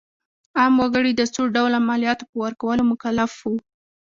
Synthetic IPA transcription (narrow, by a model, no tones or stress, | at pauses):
ɑmwaɡəɽid̪əsoɖawlamaljɑt̪o̥pəwaɾkawəlomʊkalafwu